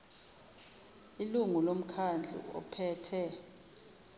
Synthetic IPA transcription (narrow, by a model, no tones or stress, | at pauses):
iluŋulom̩kʰand͡ɮʱṵɔ̰pʰɛːtʰɛ